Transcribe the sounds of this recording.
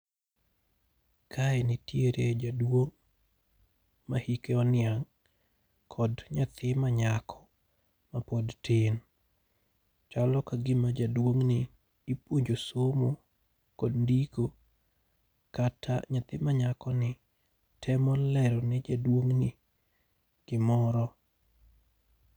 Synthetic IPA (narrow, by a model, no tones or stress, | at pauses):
kʰaɛnɪtjeɾed͡ʒadwoŋ | mahikeɔnɪaŋ | kʰɔdɲat̪ʰɪmaɲakʰɔ̥ | mapodtʰɪn | t͡ʃalɔkaɡɪmad͡ʒadwoŋnɪː | pwoɲd͡ʒosomo | kɔdndiɡo | katʰa̰ɲat̪ɪmaɲakɔnɪ | tʰɛmɔlɛɾɔnɛd͡ʒadwoŋnɪ | ɡ̥ɪmɔɾɔ